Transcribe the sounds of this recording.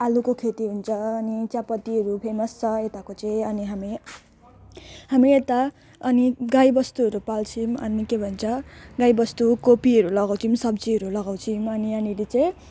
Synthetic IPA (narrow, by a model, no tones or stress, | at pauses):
alukokʰet̪iɦunt͡sʰʌːnit͡sapʌt̪iɦʌɾupʰemʌst͡sʰʌet̪akot͡saj̃ʌniɦami | hamiet̪a | ʌniɡajbʌst̪uɦʌɾupalt͡sʰimʌ̰nikebʱʌnt͡sʰʌɡajbʌst̪ukopiɦʌɾulʌɡaw̃t͡sʰimsʌbt͡siɦʌɾulʌɡaw̃t͡sʰimʌniʌnilet͡saĩ